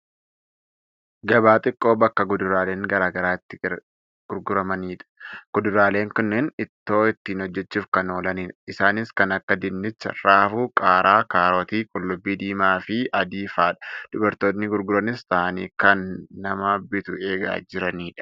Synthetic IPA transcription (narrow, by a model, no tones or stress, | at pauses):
ɡɐbaːt̪ʼɪkʼːo̞ːbɐkːɐɡʊd̪ʊɾaːle̞ːŋɡɐɾaːɡɐɾaːɪt̪ːɪ | ɡ̥ʊɾɡʊɾɐmɐniːᶑɐ̥ɡ̥ʊd̪ʊɾaːle̞ːŋkʊnːɛnɪt̪ːo̞ːɪt̪ːiːnɔd͡ʒːɛt͡ʃːuːfkɐno̞ːlɐniːɪsaːnɪskɐnɐkːɐd̪ɪnːɪt͡ʃːɐ̰rraːfʊkʼaːɾaːkaːɾoːt̪iːkʼʊlːʊbːiːd̪iːmaːfɪʔɐd̪iːfaːᶑɐ̥d̪̥ʊbɐɾt̪oːnːɪɡʊɾɡʊɾɐnɪst̪ɐʔɐnḭːkɐnːɐmabɪt̪ʊe̞ːɡa̰ːd͡ʒɪɾɐniːᶑɐ̥